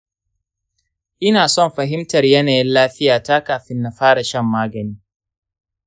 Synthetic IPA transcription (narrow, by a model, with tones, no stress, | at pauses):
ʔɪ˦naː˨sɔ˦˨mɸɐ˨ɦɪ˦mtɐ˨rjɐ˦naː˨jɪ˦nlaː˦ɸɪ˦jaː˨ta˦kaː˨ɸɪ˦nːa˨ɸaː˦ɽa˨ʃɐ˦mːaː˦ɡɐ˨niː˦